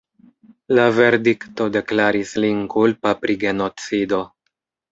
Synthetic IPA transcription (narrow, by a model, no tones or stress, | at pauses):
lave̞ɾdikto̞de̞klaɾislinkulpapɾiɡe̞not͡sido̞